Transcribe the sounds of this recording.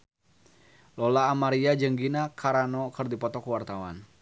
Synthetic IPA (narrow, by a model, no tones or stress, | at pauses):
lɔlaːmaɾiad͡ʒəŋɡinakʰaɾanɔkərdipɔt̪ɔkuwart̪awa̰n